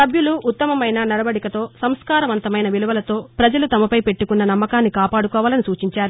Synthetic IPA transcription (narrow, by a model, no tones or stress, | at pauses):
sɐbjuluʔːt̪ːɐmɐmɐjnɐnɐɾɐʋɐɽikɐt̪o̞ːsɐmskaːɾɐʋɐnt̪ɐmɐjnɐʋiluʋɐlɐt̪o̞ːpɾɐd͡ʒɐlut̪ɐmɐpɐjpe̞ʈːukunːɐnɐmːɐkaːnːikaːpaːɽukɔːʋaːlɐnisuːt͡ʃiɲt͡ʃaːɾu